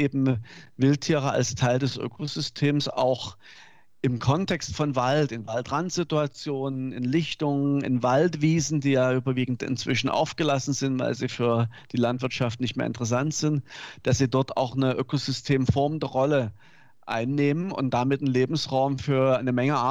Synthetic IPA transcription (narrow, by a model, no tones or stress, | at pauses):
ʔeːbm̩vɪltʰiːʁ̞ɐa̰lstʰaɪldɛsʔø̰ːkʰozʏstʰeːmsa̰ʊx | ʔɪmkʰɔntʰɛkstfɔnvaltɪnvaltʁantz̥ɪtuat͡sjoːnənɪ̰nlɪçtʊŋənɪ̰nvaltv̥iːzn̩diːjaːʔyːbɐviːɡŋ̩tɪ̰nt͡sv̥ɪʃn̩ʔa̰ʊfɡ̥əlasn̩zɪntv̥a̰ɪlziːfyːɐd̥iːlantv̥ɪɐtʃaftnɪçtmeːɐɪ̰ntəʁəs̬antz̥ɪntd̥asz̥iːdɔɐta̰ʊxnəʔøːkozʏstʰeːmfɔɐməndəʁɔlə | ʔa̰ɪnːeːmənʊ̰nt̚d̥amɪtn̩leːbm̩sʁaʊmfyːɐaɪnəmɛŋəa